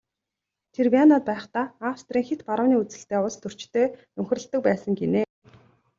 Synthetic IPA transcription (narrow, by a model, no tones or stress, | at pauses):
t̪ʰerpʲianaːt̪̚pæːχt̪aːaːwst̪riːŋxet̪paɾə̆wniːut͡sɘ̆ɬt̪eːʊɮst̪ʰɵr̥t͡ɕt̪ʰeːnɵmx̆ʲrə̆ɬt̪ːə̆k̚pæːsə̆ŋɡeneː